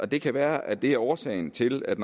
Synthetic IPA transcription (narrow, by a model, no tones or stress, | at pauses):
ɒ̽d̥e̝kʰæʋæːɐʔæd̥e̝æɐɒːsɛ̰ɪn̩t͡sʰe̝læd̥n